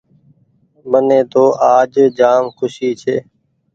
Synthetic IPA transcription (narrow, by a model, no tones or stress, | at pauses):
məneːt̪oːʔaːd͡ʒd͡ʒaːmxʰʊʃiːt͡ʃʰeː